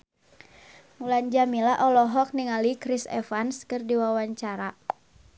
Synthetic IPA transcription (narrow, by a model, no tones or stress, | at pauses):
muland͡ʒamilaʔɔlɔɦɔk̚niŋalikɾisɛ̰fanskɨrdiwawaɲt͡ʃaɾa